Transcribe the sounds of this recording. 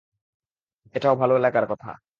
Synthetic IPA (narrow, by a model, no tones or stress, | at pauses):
eʈaobʱaloelakaɾkɔt̪ʰa̰